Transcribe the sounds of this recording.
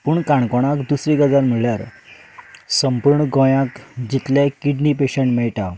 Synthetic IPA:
puːɳkaɳkɔɽ̃akd̪usɾiɡəd͡zanm̤əɭljaɾ | səmpuɾɳəɡɔ̃jãkd͡ʑit̪ljekiɖnipeɕəɳʈmɛɭʈa

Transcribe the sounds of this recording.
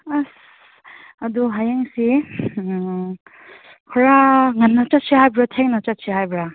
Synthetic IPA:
as | ɐd̪uɦajaŋsi | kʰɔɾaŋɐnːɐt͡ʃɐt̚siɦhajbɾatʰeŋnɐt͡ʃɐt̚siɦajbɾa

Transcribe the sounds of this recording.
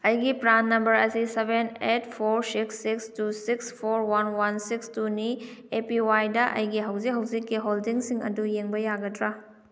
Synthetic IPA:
ɐjɡipɾanːɐmbɐɾɐsisebenet̚pʰoɾsiksːikstusikspʰoɾwanwansikstuni | epiwajdɐʔɐ̰jɡiɦɐwzik̚ɦɐwzikːiɦoldiŋsiŋɐ̰dujeŋbɐjaɡɐtɾa

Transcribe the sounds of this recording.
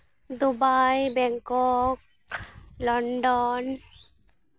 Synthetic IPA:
d̪ubajbɛŋkɔk̚ | lɔnɖɔn

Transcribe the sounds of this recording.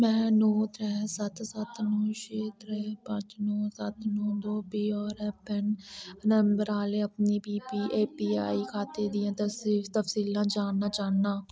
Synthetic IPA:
mɛ̃ːnoːt̪ɾɛːsət̪sət̪nũːʃeːt̪ɾɛːpət͡ʃnõːsət̪nõːd̪oːpiːɔːɾɛpɪnnəmbəɾaːleːəpniːpiːpiːʔeːpiːa̰ːiːkʰaːt̪eːd̪ɪjãːt̪əst̪əfsiːlãːd͡ʒaːnːaːt͡ʃaːaː

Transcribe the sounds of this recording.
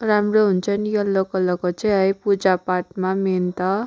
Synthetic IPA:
ramroɦunt͡sʰʌnjʌlːokʌlːʌkot͡sʌ̃ɦʌjpud͡zapaʈmament̪ʌ

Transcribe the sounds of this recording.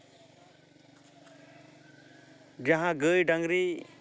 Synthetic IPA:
d͡ʒaɦãɡəjɖaŋɡɾi

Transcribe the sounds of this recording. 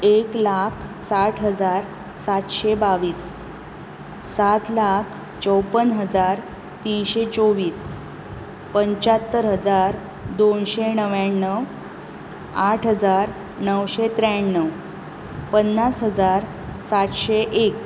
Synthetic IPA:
eklakʰsaʈʰɦəd͡zaɾ | sat̪ɕebaʋiːs | at̪lakʰ | t͡ɕəwpənɦəd͡zaɾ | t̪inɕet͡soʋiːs | pəɲt͡ɕat̪ːəɾɦəd͡zaɾ | d̪onɕenəʋaɳːəw | aʈʰɦəd͡zaɾ | nəwɕet̪ɾaɳːəw | pənːasɦəd͡zaɾ | sat̪ɕeʔek

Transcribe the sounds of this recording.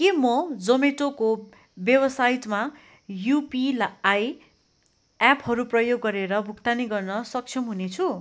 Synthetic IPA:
kemʌd͡zʌmeʈoko | bjebʌsajʈma | jupilaaj | aphʌɾuprʌjoɡːʌɾeɾʌbʱukt̪aniɡʌrnʌsʌk̚t͡sʰjʌmɦunet͡sʰu

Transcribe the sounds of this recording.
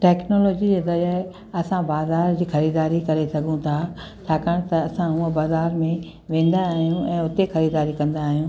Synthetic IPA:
ʈɛːknoːloːd͡ʑid͡ʑeːzɐɾaɦɪ | ɐsãbaːzaːɾd͡ʑiːxɐɾiːd̪aːɾikɐɾesɐɠʱũt̪ʰa | t͡ɕʰaːkəɽ̃t̪ɐɐsãɦũbaːzaːɾmẽ | ʋẽːn̆d̪aːɦijũɛ̃ːʊt̪exɐɾiːd̪aːɾikɐ̃nd̪aːɦijũː

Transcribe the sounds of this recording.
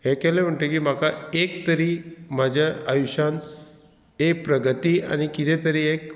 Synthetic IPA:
hẽkɛlẽm̤əɳʈ̪ekiːm̤akaek̚t̪əɾiːm̤ad͡ʑʱaʔajuɕan | ek̚pɾəɡət̪iːa̰ñikit̪ʰẽt̪əɾiek

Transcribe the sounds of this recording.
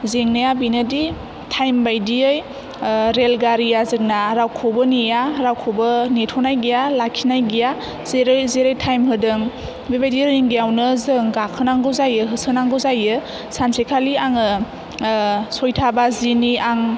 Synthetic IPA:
zeŋnajabinɯdi | tʰajmbajdiɯj | ɾelɡaɾijazɯk̚naɾawkʰɔbɯnijaɾawkʰɔbɯnetʰɔnajɡijalakʰinajɡija | zeɾzeɾejtʰajmɦɯdɯŋ | bibajdiiŋɡijawnɯzɯŋɡakʰɯnaŋɡɯwzajɯɦɯsɯnaŋɡɯwzajɯ | sansekʰaliaŋɯ | sɔjtʰabaziniaŋ

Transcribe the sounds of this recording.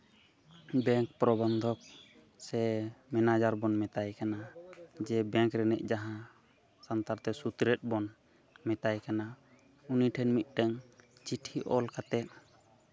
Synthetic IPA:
bɛŋk̚pɾɔband̪ʱɔk̚ | sɛmɛnad͡ʒaɾbɔnmɛt̪ajkanad͡ʒɛbɛŋkɾɛnɛ̰ʔ̚d͡ʒaɦã | sant̪aɾt̪ɛsut̪ɾɛt̪̚bɔn | mɛt̪ajkana | uniʈʰɛnmit̪̚ˀʈɛŋt͡ʃiʈʰiʔɔ̰lkat̪ɛt̪̚

